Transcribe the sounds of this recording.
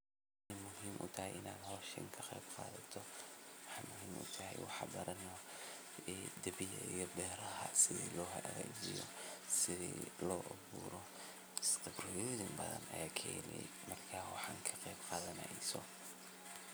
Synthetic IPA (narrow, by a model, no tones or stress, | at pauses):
w | ħjmʊhiːmʔʊt̪ʰɐɦɛjʔɪnaːd̪hɔːʃɪ̰ŋkʰɐqejbqɑːðɐt̪ʰɔwɑħɑjmʊɦiːmʔʊ̰t̪ʰɐɦɛjwɑ̰ħɑbɐɾʔɐn | ɛd̪ɐβɪjɐ̰ijɔbɛːɾɐɦɐsɪðḭːlɔːɦɐɐɣɛːd͡ʒɪjɔ̰sɪðḭːlɔːʔʊβuːɾɔ | st̪ʰɐbrɔðɪmbɐðɐ̰nɐ̰jaːkʰɛ̰ːlɛ̰ | mɐrkʰaːwɑħɑːŋkʰɐqɛːbqɑːðɐnɐsɔ